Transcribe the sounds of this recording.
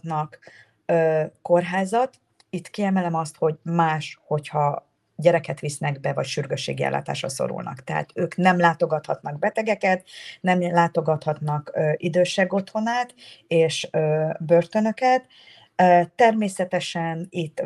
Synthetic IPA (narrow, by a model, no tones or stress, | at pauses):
nɒk | øːkːo̞rɦaːzɒt̪ | it̪kiɛmɛlɛmɒst̪ho̞ɟmaːʃho̞chɒ | ɟɛɾɛkɛt̪ʋisnɛɡbɛvɒcʃyrɡøʃːḛːɡiɛ̰lːa̰ːt̪a̰ːʃrɒ̰so̞̰ɾṵlnɒ̰kt̪ɛɦa̰t̪øːknɛmlaːt̪o̞ɡɒt̪hɒt̪nɒɡ̚bɛt̪ɛɡɛkɛt̪nɛmlaːt̪o̞ɡɒt̪hɒt̪nɒkøʔid̪øːʃɛɡo̞t̪ho̞naːt̪eːʃøːbørt̪ø̞nø̞kɛt̪ | øːɛrmeːsɛt̪ɛʃɛnit̪ː